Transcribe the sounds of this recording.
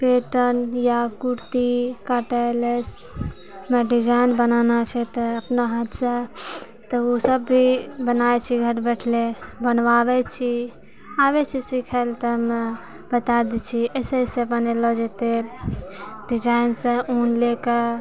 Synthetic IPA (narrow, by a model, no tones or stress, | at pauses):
peʈənjakuɾt̪ikaʈaeles | meɖid͡ʒajnbənanat͡ʃʰɛt̪əəpnaɦat̪sẽ | t̪əosəbːʱibənajt͡ʃʰiɡʱəɾbɛʈʰlebənʋabɛt͡ʃʰi | aβɛt͡ʃʰisikʰəlt̪əme | bət̪ad̪it͡ʃʰiəsesebənelɔd͡ʒet̪e | ɖid͡ʒainsə̃unleke